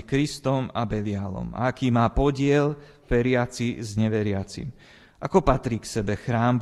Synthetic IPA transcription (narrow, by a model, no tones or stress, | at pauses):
ikɾist̪ɔmabɛlɪalɔ̰ma̰akiːmaːpɔɟɪɛl | ʋɛɾɪat͡sizɲɛʋɛɾɪat͡sḭm | ʔakɔpat̪ɾiːksɛbɛxɾaːmb